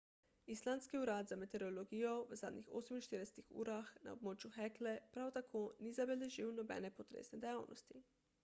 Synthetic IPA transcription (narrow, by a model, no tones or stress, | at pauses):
islanskiuɾaːt̪zamɛt̪ɛɾolɔɡijɔʋəzaːd̪nʲixo̰ːsəminʃt̪iːɾdɛsɛ̥t̪ixṵːɾaxna̰ob̚moːt͡ʃjuxɛklɛpɾawt̪akʰoːnizabɛlɛʒiwnɔbɛ̰nɛpɔt̪ɾḛːsnɛd̪ɛjaːwnʔɔ̰st̪i